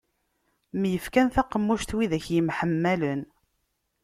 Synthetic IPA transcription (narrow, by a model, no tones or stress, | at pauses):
mjəfkænθæqːəmːuʃt̪wiðæçjəmħəmːælən